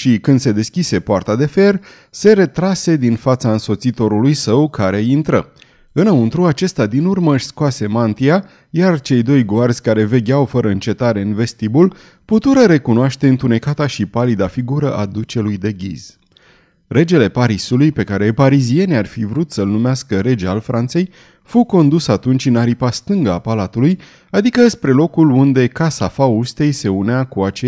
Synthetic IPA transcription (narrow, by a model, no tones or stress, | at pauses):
ʃikɨnd̪̥se̞d̪e̞skʲise̞poart̪ad̪e̞fe̞r | se̞ɾe̞t̪ɾase̞d̪infat̪saɨnso̞t̪sit̪o̞ɾulujsəwkaɾe̞int̪ɾə | ɨnəunt̪ɾuat͡ʃe̞st̪ad̪inurməɨʃskoase̞mant̪ia | jart͡ʃe̞jd̪o̞jɡoarzʲkaɾe̞ve̞ɡʲawfəɾəɨnt͡ʃe̞t̪aɾe̞ɨnve̞st̪ibul | put̪uɾəɾe̞kunoaʃt̪e̞ɨnt̪une̞kat̪aʃipalid̪afiɡuɾəʔad̪ut͡ʃe̞lujd̪e̞ɡʲḭz̥ | re̞d͡ʒe̞le̞paɾisulujpe̞kaɾe̞paɾizie̞nʲarfivɾut̪səlnumeaskəɾe̞d͡ʒeaalfɾʔant̪se̞j | fuwko̞nd̪usat̪unt͡ʃɨnaɾipast̪ɨŋɡəapalat̪uluj | ad̪ikəspɾe̞lo̞kulund̪e̞kasafaust̪e̞jse̞uneakuat͡ʃe